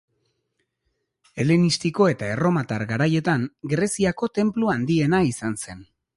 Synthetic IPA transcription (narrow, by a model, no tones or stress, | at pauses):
e̞lenist̪iko̞e̞t̪ae̞ro̞mat̪aɾɡaɾaje̞t̪aŋɡɾe̞siako̞t̪e̞mpluand̪ie̞naisanse̞n